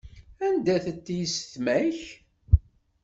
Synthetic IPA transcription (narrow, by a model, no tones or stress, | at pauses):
ænd̪æθət̪ːjəsθmæç